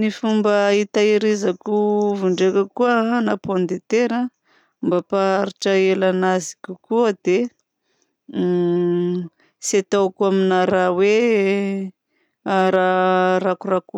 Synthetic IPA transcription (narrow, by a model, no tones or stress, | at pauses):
nifumbəit̪aiɾizakuvuɳɖ͡ʐekəkuənapond̪et̪eɾa | mbapaɾiʈ͡ʂəelanazi̥kʲukuəd̪e | set̪awakuaminaɾawe | ɾaɾakuraku